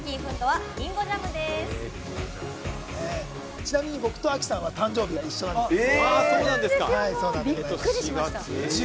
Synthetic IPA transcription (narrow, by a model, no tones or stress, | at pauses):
kʲiɸɯ̟̃nt̪o̞βaĩŋɡod͡ʑamɯd̪es | e | t͡ɕinamʲiɲ̟ibo̞kɯ̟̥t̪o̞akʲi̥sãɰ̃βat̪ãɲ̟d͡ʑo̞ːbʲiɡaiɕːo̞d̪anasoːnãnd̪eskahaiso̞ːnãnbʲikːɯ̟ɾiɕat̪a